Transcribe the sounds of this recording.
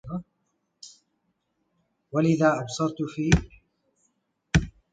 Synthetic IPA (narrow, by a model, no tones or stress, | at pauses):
walɪðaːʔɑbsˤɑɾˤt̪fiː